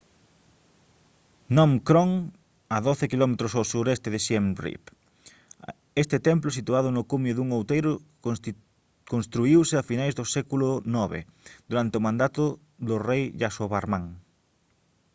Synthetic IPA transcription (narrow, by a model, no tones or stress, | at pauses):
nɔmkɾɔŋ | aðoθekilɔmet̪ɾʊsawsuɾɛst̪ɪðɪʃɛmrḭp | est̪ɪt̪ɛmplʊsit̪uað̞ʊnʊkumʊðuŋowt̪ejɾʊ | konst̪ɾuiwseafinajzðʊsɛkulʊnɔβḛ | d̪̥uɾant̪ɪomãnd̪at̪ʊ | ðʊrejʎasoβaɾmãŋ